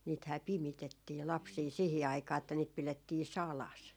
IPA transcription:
niːthæː pimitetːiː lɑpsiː sihi ɑikɑː etːæ niːt piletːiː sɑlɑs

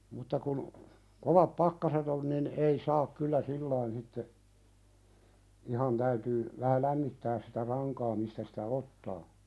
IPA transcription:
mutːɑ kun koʋɑp pɑkːɑset olĭ nin ʔei sɑːk kylːæ silːɑin sitːe ihɑn tæytyː ʋæhæ læmːitːæːs sitæ rɑŋkɑː mistæ sitæ otːɑː

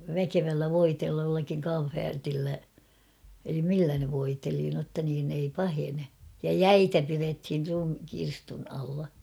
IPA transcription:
ʋækeʋælːæ ʋoiteːlːɑ jolːɑkiŋ kɑm̠fæːrtilːæ elim milːæ ne ʋoiteli notːɑ niːn ei pɑhene jɑ jæitæ pirethir rum kirstun ɑlːɑ

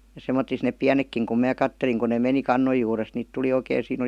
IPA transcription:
jɑ semːotˑis neːp piænekːiŋ kum mæː kɑtːeliŋ kun ne meni kɑnːoj juːrest niːt tuli oikeˑĭ siːn ol̆i

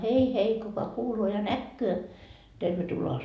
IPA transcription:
hei hei kukɑ kuːloː jɑ nækːøː terʋetuloɑ

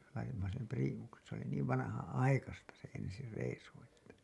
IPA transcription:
lɑitimːɑ sem priːmuksen̞ se oli niːʋ ʋɑnɑhɑnɑikɑstɑ se ensi reisu etːæ

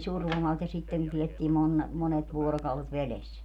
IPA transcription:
surʋomɑlt jɑ sitːen ne pietːiː mon monet ʋuorokɑulet ʋeles

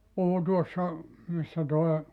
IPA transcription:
puhu tuosːɑ misːæ toe

